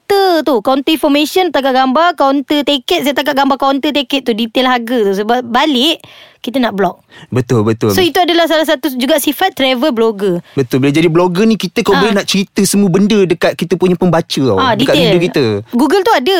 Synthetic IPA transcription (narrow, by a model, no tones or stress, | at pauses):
t̪ət̪ukɔnt̪əĩnfɔmẽsənt̪ak̬aʔ̚ɡambarkant̪ət̪ekət̪̚sajat̪ak̬aʔ̚ɡambakont̪ət̪̬ekɛt̪̚t̪ːudit̪elɦaɡət̪us̬əbap̚balɪʔkit̪ənaʔblɔk̚bət̪ʊlbət̪ʊlsoit̪uadalahs̬alahs̬at̪ud͡ʒuɡaʔsifat̪̚ːɾɛvəbloɡəbət̪ʊlbilad͡ʒadibloɡənĩkit̪əkawbolɛnaʔt͡ʃəɾit̪əsəmuəbəndədəkat̪̚kit̪əpuɲəpəmbat͡ʃəa̰adikat̪beənldəkit̪əɡuɡəlt̪uadə